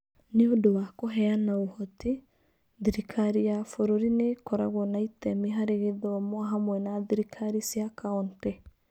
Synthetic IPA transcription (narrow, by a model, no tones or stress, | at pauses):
neodowakoɦɛanaohɔti | ðiɾikʰaɾijafoɾoɾinekɔɾaɣɔnaitɛmeɦaɾeɣeðɔmwaɦamwɛnaðiɾikʰaɾisiakaɔnte